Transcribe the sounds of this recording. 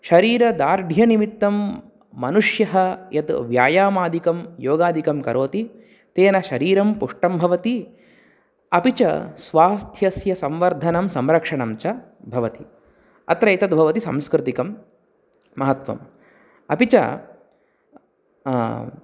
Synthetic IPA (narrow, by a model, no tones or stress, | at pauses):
ʃɐɾiːɾɐd̪aːɾɖʱjɐnimit̪ːɐmː | ɐnuʂjɐɦɐjɐt̪ʋjaːjaːmaːd̪ʱikɐmjoːɡaːd̪ʱikɐmkɐɾoːt̪i | t̪eːnɐʃɐɾiːɾɐmpuʂʈɐmbʱɐʋɐt̪i | ɐpit͡ʃɐ̰sʋaːst̪ʰjɐsjɐsɐmʋɐɾd̪ʱɐnɐmsɐmɾɐkʂɐɳɐmt͡ʃɐ | bʱɐʋɐt̪i | ɐ̰t̪ɾɐit̪ɐt̪̚bʱɐʋɐt̪isɐ̰mskɾɪt̪ikɐmː | ɐɦɐt̪ʋɐ̰m | ɐpit͡ʃɐ̰